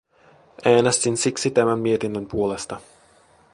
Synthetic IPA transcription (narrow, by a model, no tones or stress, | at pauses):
ʔæːnest̪insiksit̪æmænmie̞t̪inːømpuo̞le̞st̪ɑ